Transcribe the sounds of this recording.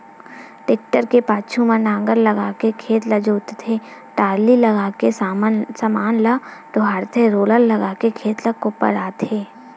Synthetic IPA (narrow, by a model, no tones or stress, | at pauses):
ʈeːk̚ʈəɾkepaːt͡ʃʰumãnãːŋɡəɾlɐɡaːkekʰeːt̪lɐd͡ʒoːt̪t̪ʰe | ʈaːɾlilɐɡaːkessɐmaːnlɐʈ̪oɦaːɾt̪ʰeɾoːləlːɐɡaːkekʰeːt̪lɐkopə̰ɾaːt̪eː